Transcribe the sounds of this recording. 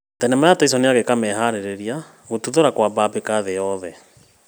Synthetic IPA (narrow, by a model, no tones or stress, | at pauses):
tɛnɛmajatais̬ɔneaɣekamɛɦaɾeɾeɾia | ɣotuðoɾakwababekaðejɔðɛ